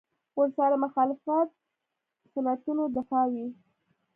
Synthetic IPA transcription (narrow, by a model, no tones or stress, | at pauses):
wəɾsaɾamaxɑlɪfat̪̚ | sanat̪unod̪ɪfɑwi